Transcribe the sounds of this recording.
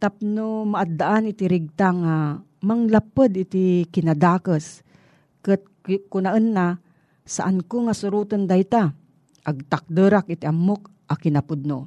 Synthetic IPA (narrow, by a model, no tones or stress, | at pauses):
t̪ap̚nomaʔad̪ːaʔanʔɪt̪iɾɪɡ̚t̪aŋa | maŋlapəd̪ɪt̪ɪkɪnad̪aːkəs | kət̪̚ | kʊnaʔənːa | sa̰ʔankoŋasʊɾuːt̪ond̪ajt̪a | ʔaɡ̚t̪ak̚d̪əɾak̚ɪt̪iʔamːok̚ | ʔakɪnapʊd̪̚no